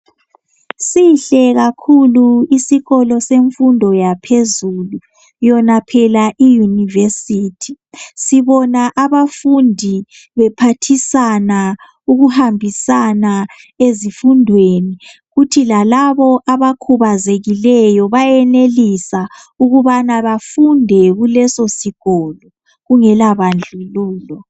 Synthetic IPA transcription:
siɬɛɣakʰuluisiɣɔlɔseɱfundʱɔjapʰezulu | jɔnapʰɛlaʔijunivesitʰi̥siβɔnaʔaβafundʱi | βɛpʰatʰisana | uɣuhambʱisana | ezifundʱweniɣutʰilalaβɔʔaβakʰuβazeɣilɛjɔβajɛnelisa | uɣuβanaβafundʱɛɣulɛsosiɣ̥ɔːlɔ | ɣuŋɛlaβand͡ɮʱuluːlɔ

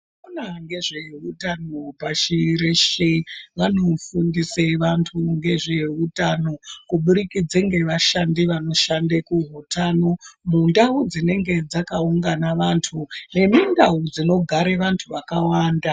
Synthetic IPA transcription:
onaŋɡe̞ʐeeutanopaʃiɾeʃeʋano̞fundiseʋantʰuŋɡe̞ʐeɦeutano̞kuɓuɾikid͡zeŋɡe̞ʋaʃandiʋano̞ʃandekuɦutano̞mundaud͡zine̞ŋɡe̞d͡zakauŋɡanaʋantʰune̞mindaud͡zino̞ɡʱaɾe̞ʋantʰuʋakawaːnda

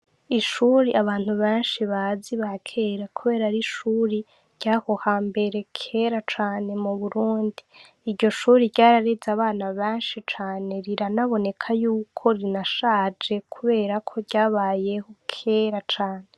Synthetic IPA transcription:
iʃuːɾiʔaβaːn̥huβeːnʃiβaziβakʰeɾakʰuβe̞ːɾaɾiʃuːɾi | ɾɟahohaːmbe̞ɾe̞kʰe̞ɾat͡ʃaːne̞muβuɾuːndiː | ɾɟo̞ʃuːɾiɾɟaːɾaɾezaβaːnaβeːnʃit͡ʃaːne̞ɾiɾanaβo̞ne̞kʰajuːkʰo̞ɾinaʃaːd͡ʒe̞kʰuβe̞ːɾakʰo̞ɟaːβaːje̞ho̞kʰeɾat͡ʃaːne̞

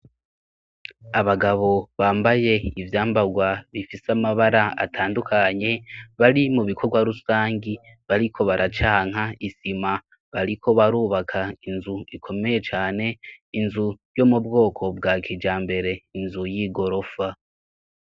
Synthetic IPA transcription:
aβaɡaβo̞βaːmbaje̞ivjaːmbaɡwaβifisamaβaɾaa̰tʰaːndukʰaɲe̞βaɾimuβikʰo̞ɡwaɾusaːŋɡi | βaɾikʰo̞βaɾʔat͡ʃaːŋ̥aisima | βaɾikʰo̞βaɾuːβakʰainzuikʰo̞me̞je̞t͡ʃaːne̞inzujo̞mubɡo̞ːkʰo̞b̚ɡaːkʰiːd͡ʒaːmbe̞ɾe̞inzujiɡo̞ɾo̞fa

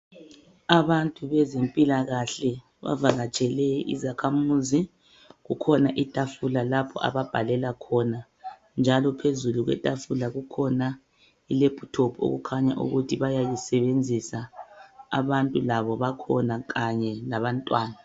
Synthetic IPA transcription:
aβantʼuβɛzempʼilaɣaɬɛ | βa̰vaɣat͡ʃʼɛlɛḭzakʰamuzi | ɣukʰɔnaʔitʼafulalapʰɔ̰ʔa̰βab̥ʱalɛlakʰɔna | nd͡ʒʱalɔpʰezuluɣwɛ̰tʼafulaɣukʰɔna | ileb̥ʱutʰɔpʰo̰ɣukʰaɲa̰ʔṵɣutʰiβajajisɛβend͡zʱisa | a̰βantʼulaβɔβakʰɔnaɣaɲɛlaβantʼwaːna

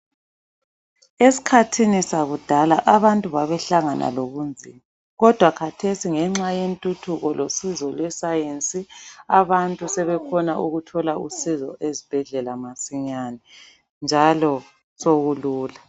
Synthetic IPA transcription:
esi̥kʰatʰinisaɣud̥ʱalaʔaβantʼuβaβɛɬaŋa̰nʔa̰loɣund͡zʱḭːma | ɣɔd̥ʱwakʰatʰesiŋɛŋ͡ǁajentʼutʰuɣɔlosizɔlwɛsajent͡sʼiaβantʼusɛβɛkʰɔnaʔuɣutʰɔlausizɔʔezib̥ʱɛɮɛlamasiɲaːnɛ | nd͡ʒʱalɔ | soɣuluːla

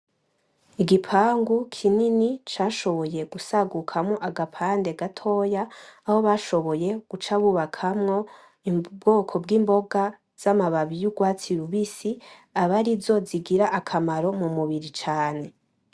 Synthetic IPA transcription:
iɡipʰaːŋɡukʰininit͡ʃaːʃo̞βo̞je̞ɡusaɡukʰamŋoʔaɡapʰande̞ɡatʰo̞ːjaːho̞βaʃo̞βo̞je̞ɡ̥ut͡ʃaβuβakʰamŋo̞ | ibɡo̞ːkʰo̞bɡiːmbo̞ɡa | z̥amaβaβijuɡwaːt͡siɾuβisiaβaɾizo̞ziɡiɾaʔakʰamaɾo̞mumuβiɾit͡ʃaːne̞

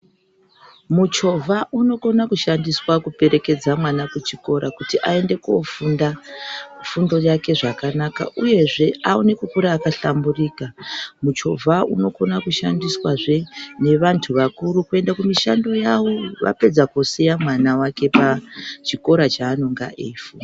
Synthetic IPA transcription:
mut͡ʃo̞vʱaʔuno̞ko̞nakuʃandiswakupe̞ɾe̞ke̞d͡zamwanakut͡ʃiko̞ɾakutiʔae̞nde̞kuofunda | fundo̞jake̞ʐakanaka̰ʔuje̞ʐe̞aune̞kukuɾaːkaɬamburiːkamut͡ʃo̞̰vʱaṵno̞ko̞nakuʃa̰ndiswaʐe̞ne̞ʋantʰuʋakuɾukue̞ndakumiʃando̞jawo̞ʋa̰pe̞d͡zakosijamwanawake̞pat͡ʃiko̞ɾat͡ʃaːnoŋɡa̰ʔefu

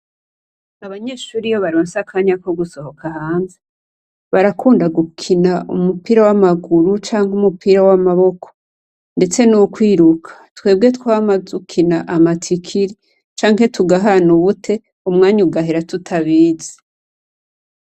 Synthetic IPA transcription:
aβaɲe̞ːʃuːɾijoβaɾoːnsakʰaɲakoɡuso̞hokʰaɦaːnze | βaɾakʰuːndaɡukʰinaumupiɾawamaɡuɾut͡ʃaːŋɡumupiɾawamaβo̞kʰo̥ | nde̞t͡se̞nukwiːɾukʰḁtwe̞ːb̚ɡe̞twamazukʰinaʔamatʰikʰiɾi | t͡ʃaːŋɦe̞tʰuɡaɦanuβutʰe̞ | umŋaːɲuɡaɦeɾatutʰaβiːze̥

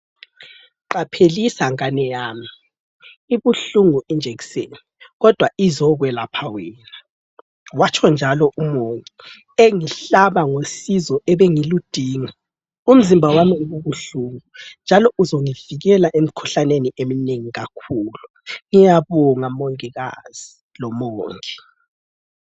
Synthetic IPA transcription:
ǃapʰelisaŋanɛjaːmi | iβuɬuŋuʔind͡ʒʱeɣi̥seniɣɔd̥ʱwaizɔɣwɛlapʰawiːna | wat͡ʃʰɔnd͡ʒʱalɔʔumoŋi | eŋiɬaβaŋosizɔʔɛβeŋilud̥ʱiːŋa | um̩zimbʱawamiɣuβuɬuŋund͡ʒʱalɔʔuzoŋiviɣɛlaʔemikʰu̥ɬaneniʔemineŋiɣakʰuːlu | ŋijaβɔŋamoŋiɣa̰z̥i | lɔmoːŋi

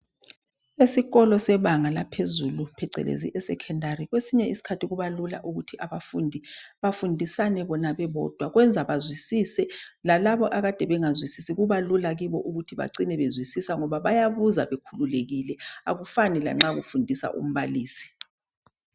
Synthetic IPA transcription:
esiɣɔlɔsɛβaŋalapʰezulupʰɛǀʱɛ̰lḛzḭʔɛsɛkʰɛndʱariɣwesiɲɛisi̥kʰatʰiɣuβalula̰ʔuɣutʰiʔaβafṵːndʱiβafundʱisanɛβɔnaβɛβɔ̰ːd̥ʱwaɣwɛnd͡zʱaβazwisisɛlalaβɔʔaɣad̥ʱɛβɛŋazwisisiɣuβalulaɣiβɔʔuɣutʰiβa̰ǀinɛβezwisisaŋɔβaβajaβuzaβekʰululeɣilɛa̰ɣufanila̰ŋ͡ǁaɣṵfundʱisa̰ʔṵm̩βaliːsi̥

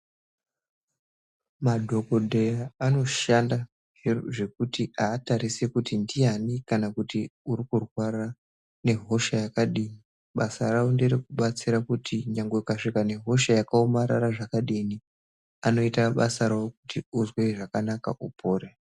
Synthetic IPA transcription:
madʱo̞ko̞dʱe̞jaːno̞ʃanda | ʐe̞k̚utiʔaːtaɾisekutindijanikanakutiuɾikurwara | ne̞ɦo̞ʃajakaɗiːni | ɓasarawonderekuɓat͡siɾakutʰiɲaŋɡekaʂikane̞ɦo̞ʃajakaomaɾaraʐakaɗini | ano̞itaɓasaɾawoku̥tiuzweʐakanaka̰ʔupʰoːre

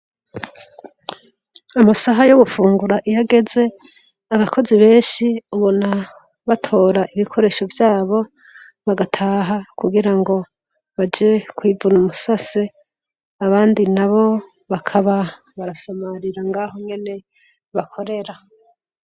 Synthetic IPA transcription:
amasaɦajoβufuːŋɡuɾaʔijaɡe̞ze̞ | aβakʰo̞ziβe̞ːʃiuβona | βatʰo̞ːɾaʔiβikʰo̞ɾe̞ːʃo̞vjaːβo̞ | βaɡatʰaːɦakuɡiɾaŋɡo̞ | βad͡ʒekwiːvunumusase | aβaːndinaβo̞ | βakʰaβa | βaɾasamaɾiɾaŋɡaːho̞ŋɡe̞ne̞ | βakʰo̞ɾe̞ɾa

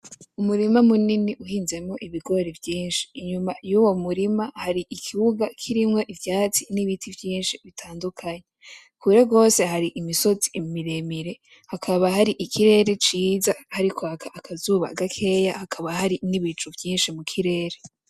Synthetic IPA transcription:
umuɾimamuniniʔuhiːnze̞mŋo̞ʔiβiɡo̞ɾevjiːnʃi̥ːɲumajuːwo̞muɾimahaɾiʔikʰiwuɡakʰiɾimŋo̞ʔivjaːt͡siniβitʰivjiːnʃiβitʰaːndukʰaɲe | kʰuɾe̞ɡo̞ːse̞ɦaɾiʔimiso̞t͡simiɾe̞miɾe̞ | hakʰaβaɦaɾiʔikʰiɾe̞ːɾe̞t͡ʃiːzahaɾikʰoakʰaʔakʰazuβa̰ɡakʰe̞jahakʰaβahaɾiniβit͡ʃuvjiːnʃimukʰiɾe̞ːɾe

